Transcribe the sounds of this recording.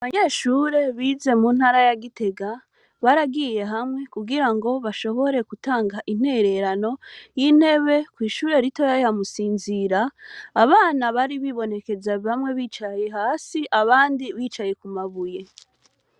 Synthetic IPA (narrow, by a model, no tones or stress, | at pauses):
aβaɲe̞ːʃuɾe̞βiːze̞muːnhaːɾajaɡite̞ɡa | βaɾaɡije̞ɦamŋe̞kuɡiɾaŋɡo̞βaʃo̞βo̞ɾe̞kutaːŋɡaʔin̥he̞ɾe̞ɾano̞jin̥he̞βe̞kwiːʃuːɾe̞ɾito̞jajamusiːnziɾaːβaːnaβaɾiβiβo̞ne̞ke̞zaβamŋe̞βiːt͡ʃaje̞ɦaːsiʔaβaːndiβiːt͡ʃaje̞kumaβuje̞